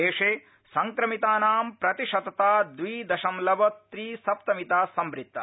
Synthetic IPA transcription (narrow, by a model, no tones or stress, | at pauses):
eːʂeː | sɐŋkɾɐmit̪aːnaːmpɾɐt̪iʃɐt̪ɐt̪aːd̪ʋiːd̪ɐʃɐmlɐbɐt̪ɾiːsɐp̚t̪ɐmit̪aːsɐmbɾit̪ːɐ